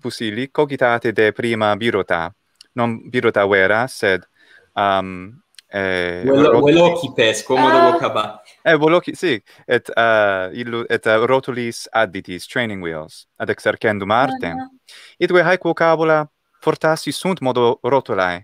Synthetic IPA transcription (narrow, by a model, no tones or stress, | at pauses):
fusilikokit̪at̪ed̪epɾimabiɾot̪a̰ | nonbiɾot̪aweɾased̪ | am | eowelokipɛskomod̪ookaba | ewelokisi | et̪ailːuʔɛt̪ɾot̪ulisad̪it̪ist̪ɾejnĩŋɡwḭlsad̪ekseɾkend̪umaɾt̪ḛ | it̪ɡweɦajkwokabola | foɾt̪asisunt̪mod̪oɾot̪ula̰j